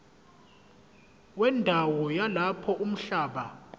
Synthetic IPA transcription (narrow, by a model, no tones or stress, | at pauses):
wɛndʱawɔjalapʰɔʔum̩ɬaːɓa